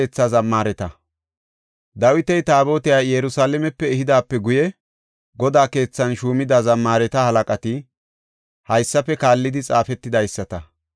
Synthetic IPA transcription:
eːt͡sːɐzɐmːaːɾɛt̪ɐ | d̪ɐwɪt̪ɛjt̪aːbo̞ːt̪ɪjaːjɛɾʊsaːlɛmɛpːɛːhɪd̪aːpːɛɡʊjɛ | ɡɔd̪aːke̞ːt͡sːɐnʃuːmɪd̪azɐmːaːɾɛt̪ɐhɐlɐkʼɐt̪ɪ | hɐjsːɐpːɛkaːlːɪd̪ɪt͡sʼaːfɛt̪ːɪd̪ɐjsːɐt̪ɐ

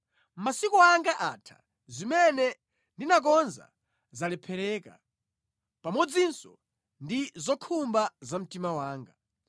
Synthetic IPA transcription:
masikɔaŋɡaʔatʰḁ̰ | zimɛnɛ | ndinak̬ɔnza̰ | zalɛpʰɛɾɛːka̰ | pamɔd͡zinsɔ̰ | ndizɔkʰumbazam̩timawaːŋɡa

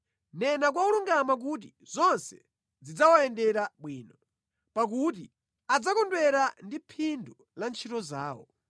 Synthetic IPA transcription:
nɛnak̬wauluŋɡamak̬ut̬i | zɔnsɛ̥ | d͡zid͡zawaɛndɛɾaɓwiːnɔ | pak̬uti | ad͡zakɔndwɛɾandipʰindu | lant͡ʃʰitɔzaːwɔ̰

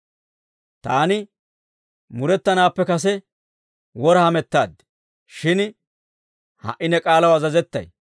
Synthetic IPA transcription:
t̪aːnɪ | mʊɾɛt̪ːɐnaːpːɛkɐs̬ɛ | wɔɾɐhɐmɛt̪ːaːd̪ | ʃɪn | hɐ̰ʔːɪnɛkʼaːlɐwɐzɐzɛt̪ːɐ̰j

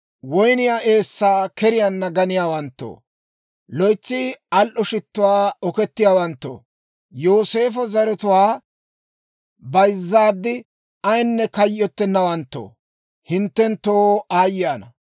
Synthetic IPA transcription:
wɔjnɪjaːʔe̞ːsːaːkɛɾɪjanːɐɡɐnɪjaːwɐnt̪ːo̰ː | lɔjt͡sːɪɐlʔɔʃɪt̪ːʊwaːɔkɛt̪ːɪjaːwɐnt̪ːo̰ː | joːse̞ːfɔzɐɾɛt̪ʊwaː | bɐjzːaːd̪ːɪ | ɐjnːɛkɐjʔːɔt̪ːɛnːɐwɐnt̪ːo̰ː | hɪnt̪ːɛnt̪ːoːaːjɪjaːnɐ

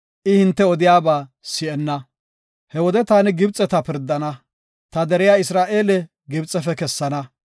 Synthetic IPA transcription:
ʔɪhɪnt̪ːɛɔd̪ɪjaːbaːsɪɛnːɐ | hɛwɔd̪ɛt̪aːnɪɡɪbt͡sʼɛt̪ɐpɪɾd̪ːɐnɐ | t̪ɐd̪ɛɾɪjaːɪsɾaːʔe̞ːlɛ | ɡɪbt͡sʼːɛfɛkɛsːɐnɐ

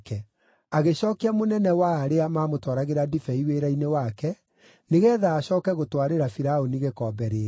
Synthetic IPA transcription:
kɛ | aɣeɕɔːkeamonɛnɛwaːɾeamaːmotɔɾaɣeɾadifɛiweɾainewakɛ | neɣɛðaːɕɔːkɛɣotwaɾeɾafiɾaoniɣekɔːbɛɾeɾ

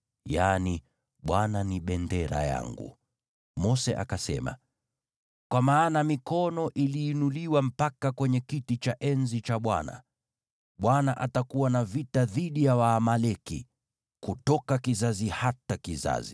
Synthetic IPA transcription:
jani | ɓwananiɓɛndɛɾa̰ja̰ŋɡṵ | mɔsɛ̰ʔa̰kasɛ̰ma̰ | kwamaːnamikɔnɔʔiliːnuliwam̩pakakwɛɲɛkitit͡ʃaʔɛnzit͡ʃaɓwa̰na̰ | ɓwanaʔatakuwanavitaðiɗijawaːmalɛkḭ | kutɔkakizazihatakiza̰zi

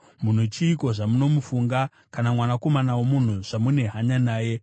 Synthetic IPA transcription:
mun̤ut͡ʃiːko̞ʐamuno̞mufuŋɡa | kanamwanako̞manawomun̤uʐ̥amune̞ɦaɲanaːje̞

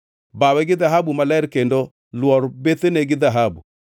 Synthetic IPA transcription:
bawɛɡɪðaɦabumalɛɾkendo | lwɔɾbet̪eneɡɪðaɦabu

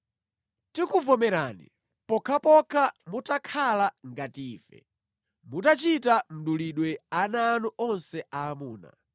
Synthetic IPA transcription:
tikuvɔmɛɾaːnḭ | pɔkʰapɔkʰamutakʰalaŋɡatiːfɛ̰ | mutat͡ʃitam̩ɗuliɗwɛanaːnuʔɔnsɛaːmuːna̰

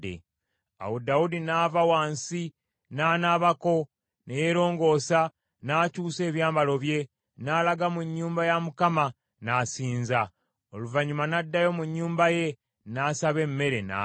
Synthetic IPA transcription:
ḛ | a̰wodaudinaːvawaːnsi | naːnaːβako̞ | nejeɾo̞ːŋɡo̞ːsa | naːcuːse̞ːβjaːmbalo̞βje̞ | naːlaɡamuɲːuːmbajamukama | nasiːnza | oluvaɲumanadːajo̞muɲːuːmbaje̞ | nasaβe̞mːe̞ɾe̞na̰

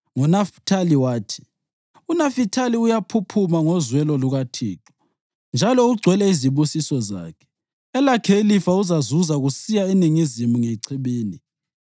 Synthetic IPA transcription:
ŋɔnaftʰaliwaːtʰi̥ | unafitʰaliujapʰupʰumaŋɔzwɛlɔluɣatʰḭːǁɔ̥ | nd͡ʒʱalɔuɡ͡ǀʱwɛlɛiziβusisɔza̰ːkʰɛ̥ | ɛlakʰelifauzazuzaɣusijaeniŋizimuŋeǀʰiβiːni

